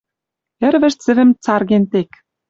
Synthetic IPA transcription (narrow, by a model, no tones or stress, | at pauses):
ĕɾβɘ̆ʃt͡sɘ̆βɘ̆mt͡sɑrɣent̪ek